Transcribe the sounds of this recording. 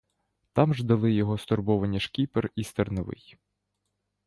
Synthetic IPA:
t̪ɑmʒd̪ɐlˠɪjɔɦɔst̪ɔrbɔʋɐnʲːiʃkʲiperist̪ernɐʋɪ̰j

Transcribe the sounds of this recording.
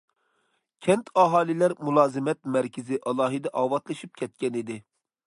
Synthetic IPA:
kʲʰɛnt̪ʰɑɦɑːlˠɪlæɾmulˠɑːzɪmɛt̪mɛɾkʲʰɪzɪʔɑlˠɑːɦɨd̪ɛʔɑːwɑt̪lˠɨʃip̚kʲʰɛt̪̚kʲɛnid̪ɪ

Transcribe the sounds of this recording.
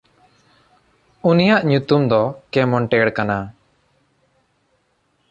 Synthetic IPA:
unijaʔɲut̪umd̪ɔkɛmɔɳʈɛɽkana

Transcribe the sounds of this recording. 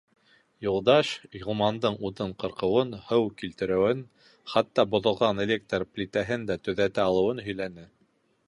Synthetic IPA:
julˠd̪ɑʃjŏlˠmɑnd̪ɤɴuðɤɴqɤ̆ɾqɤ̆wɤnhɤwkilt̪ɘ̆ɾɘ̆wɘn | χɑt̪ːɑbŏðɤ̆lˠʁɑnelʲek̚t̪rplʲit̪æɦɘnd̪æt̪ɵ̆ðæt̪æɑlˠɤ̆wɤnɦɵ̆jlænɘ

